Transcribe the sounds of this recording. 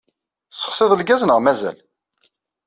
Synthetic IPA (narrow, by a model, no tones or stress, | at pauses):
sːə̥χsɪðˤəlɡæznəʁmæzæ̰l